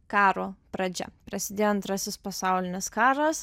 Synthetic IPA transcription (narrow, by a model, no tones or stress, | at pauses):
kɑːɾoːpɾɐd͡ʒʲɛ̰pɾɐsʲɪd̪ʲeːjoːɐnt̪ɾɑsʲɪspɐsɑˑʊlʲɪnʲɪskɑːɾɐs